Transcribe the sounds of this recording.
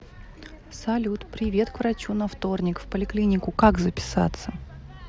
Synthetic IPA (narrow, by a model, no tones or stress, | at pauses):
sɐlʲut̪pɾʲɪvʲe̞t̪kvɾɐt͡ɕunɐft̪o̞rnʲɪkfpəlʲɪklʲinʲɪkʊkaɡzəpʲɪ̥sa̰t̪sːə